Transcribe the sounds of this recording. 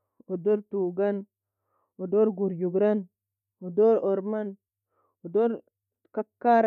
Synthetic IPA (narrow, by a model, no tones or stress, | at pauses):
odoɾtuɡan | odoɾɡuɾjuɡɾan | odoɾoɾman | odoɾ | kakːaɾ